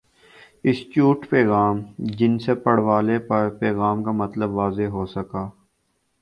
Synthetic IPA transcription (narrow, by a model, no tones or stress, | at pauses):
ɪst͡ʃuːʈpeːɣaːmd͡ʒɪnsepəɽ̤ʋaːlepɐɾpeːɣaːmkamɐt̪ləbʋaːzeɦoːsəkaː